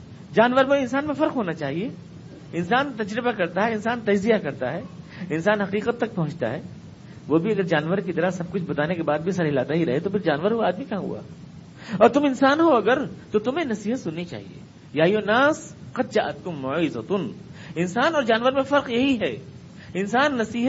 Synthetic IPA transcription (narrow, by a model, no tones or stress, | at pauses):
d͡ʒaːnʋəɾmẽɪ̃ns̬aːnmẽfɐɾqɦoːnat͡ʃaːɦie | ɪnsaːnt̪ɐd͡ʒɾɪbakɐɾt̪aɦɛɪnsaːnt̪ɐd͡ʒzijakɐɾt̪aɦɛː | ɪnsaːnɦɐqiːqət̪ːɐk̚pɐɦʊ̃t͡ʃt̪a̰ɦɛː | ʋoːbʱiɐɡəɾd͡ʒaːnʋəɾkit̪ɐɾasɐb̚kʊt͡ʃʰbɐt̪aːnekebaːd̪̚bʱisɐɾɪlaːd̪aɦiɾɐɦet̪opɪɾd͡ʒaːnʋəɾɦuaaːd̪mikɐɦãɦṵa̰ | ɔːɾt̪ʊmɪnsaːnɦoɐɡəɾt̪ot̪ʊmẽnɐsiːɦət̪sʊnːit͡ʃa̰ːɦḭḛː | jaːjonaːsqɐt̪̚ʃaʔɐt̪̚kʊmːʊʕzɐt̪ʊnɪnsaːnɔːɾd͡ʒaːnʋəɾmẽfɐɾqjɐɦiɦɛː | ɪnsaːnːɐsiːɦət̪